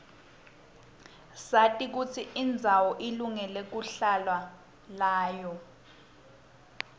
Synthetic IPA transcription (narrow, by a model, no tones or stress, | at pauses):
satʼik̬ut͡sʰiind͡zʱawɔʔiluŋɛlek̬uɬalwa | laːjɔ